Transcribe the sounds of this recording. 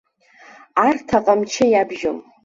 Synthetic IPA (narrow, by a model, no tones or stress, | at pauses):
artʰaqʼamt͡ʃʰɪjabʒo̰m